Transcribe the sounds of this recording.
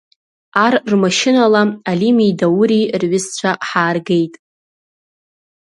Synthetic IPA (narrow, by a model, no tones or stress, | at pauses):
arrmaʃɪnalaalimijdawuɾirɥɪst͡ɕʷʰaħaːrɡe̞jtʼ